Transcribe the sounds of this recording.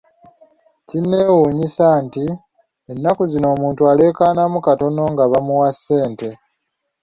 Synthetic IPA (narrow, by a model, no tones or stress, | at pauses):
cinːe̞ːwuːɲisaːnti | enːakuzino̞ːmuːntuale̞ːkaːnamukato̞no̞ŋɡaβamuwasːe̞ːnte̞